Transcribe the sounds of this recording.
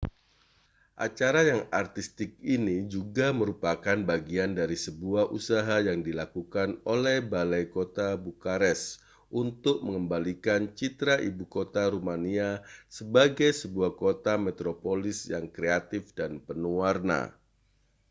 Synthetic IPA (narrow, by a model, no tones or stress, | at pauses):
ʔa̰t͡ʃaɾajaŋart̪ist̪ɪk̚inid͡ʒuɡaməɾupakanbaɡiandaɾisəbuahʔusaɦajaŋdilakukanolɛhbalajkot̪abukaɾɛs | ʔunt̪ʊk̚məŋəmbalikant͡ʃit̪ɾaʔibukot̪aɾumaniasəbaɡajsəbuahkot̪amɛt̪ɾopolɪsjaŋkɾeat̪ɪfdanpənuarna̰